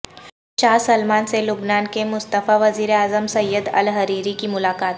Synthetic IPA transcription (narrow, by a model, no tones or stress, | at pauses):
t͡ʃaːɾsɐlmaːnselʊbnaːnkemʊst̪əfaʋɐziːɾeaːzəmsɐjːəd̪ɐ̰lɦɐɾiːɾikimʊlaːkaːt̪̚